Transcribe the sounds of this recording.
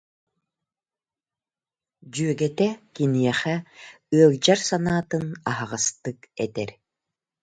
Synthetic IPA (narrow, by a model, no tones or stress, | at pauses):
d͡ʑyœɡɛt̪ɛkinijɛχɛ | ɯɐlˠd͡ʑaɾsanaːt̪ɯnaɦaʁast̪ɯkɛt̪ɛɾ